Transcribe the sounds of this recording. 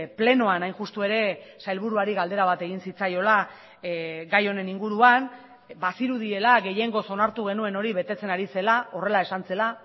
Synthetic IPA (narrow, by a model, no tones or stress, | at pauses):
ple̞no̞anajnʝust̪ue̞ɾe̞sajlβ̞uɾuaɾiɣald̪e̞ɾaβ̞at̪e̞ɣinsit͡sajo̞la | ɡajo̞ne̞niŋɡuɾuan | basiɾuð̞ie̞laɣe̞je̞ŋɡo̞so̞naɾt̪uɣ̞e̞nue̞no̞ɾiβe̞t̪e̞t͡se̞naɾise̞lao̞re̞laesant͡se̞la